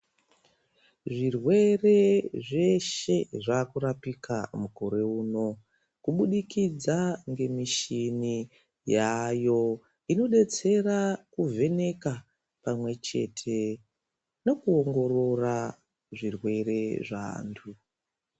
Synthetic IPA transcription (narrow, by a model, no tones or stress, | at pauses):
ʐirwe̞re̞ʐe̞ʃe̞ʐakuɾapika̰muko̞ɾe̞uːno̞ | kuɓuɗikid͡zaŋɡe̞miʃini | jajo̞ | ino̞ɗe̞t͡se̞rakuvʱe̞ne̞ka | pamwe̞t͡ʃe̞̰tʰe | no̞kuoŋɡo̞ɾo̞ra | ʐirwe̞re̞ʐa̰ːntʰu